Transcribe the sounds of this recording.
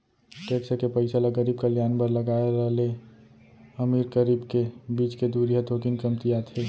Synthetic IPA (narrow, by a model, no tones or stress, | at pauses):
ʈeːksəkepəɪsalaɡəɾiːb̚kaljaːnpəɾləɡaːeɾɐɦle | əmiːɾkəɾiːbkebiːt͡ʃked̪uːɾijɦat̪ʰoːkinkəmt̪ijat̪ʰeː